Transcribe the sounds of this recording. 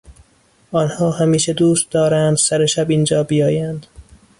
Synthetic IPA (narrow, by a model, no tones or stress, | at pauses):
ʔɒːnhɒːhæmiːʃed̪uːst̪̚d̪ɒːɾænd̪sæɾeʃæbiːnd͡ʒɒːbijɒːjænd̪̥